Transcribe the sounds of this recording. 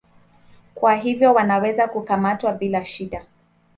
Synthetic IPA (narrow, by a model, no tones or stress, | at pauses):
kwaɦivjɔwanawɛzakukamatwaɓilaʃiɗa